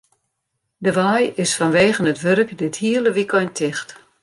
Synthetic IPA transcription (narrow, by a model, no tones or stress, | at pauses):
dəʋajɪsfɔnʋeːɣənətʋøɾəkdɪthiələʋikʰɔjntʰɪxt